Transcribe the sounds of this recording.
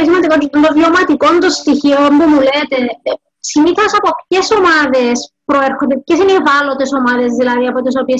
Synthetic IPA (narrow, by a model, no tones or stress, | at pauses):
is̬imɐnd̪ikoont̪ovjomɐt̪ikont̪ost̪içiombumulet̪e̞ | simiθɐsɐpopçe̞somɐðespɾoeɾxond̪epçesinevɐlo̞t̪e̞so̞mɐðe̞zðilɐðiɐpot̪is̬opie